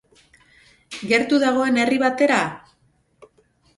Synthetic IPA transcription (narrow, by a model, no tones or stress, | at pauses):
ɡe̞ɾt̪uðaɣ̞o̞e̞ne̞riβat̪e̞ɾa